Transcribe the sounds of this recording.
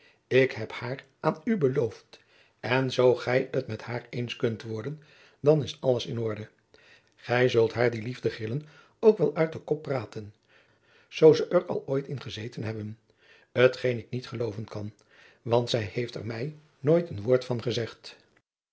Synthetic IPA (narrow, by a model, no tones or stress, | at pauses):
ɪkhɛphaːrʔaːnybəlowft | ɛnzowχɛjətmɛthaːɹejnskɵntʋɔɹdən | dɑnɪsɑləsɪnɔɹdə | χɛjzɵlˠtɦaːɹdilivdəχrɪlən | owkʋɛlˠœɥt̚dəkɔpːraːtən | z̥owzəʔəɹɑ̰lˠoːjtɪnχəzejtənɦɛbən | ɦətχejnɪk̚nitχəlowvənkɑn | ʋɑntsɛjhejftɛ̰ɹmɛj | noːjtənʋʊːɹtfɑnχəzɛχt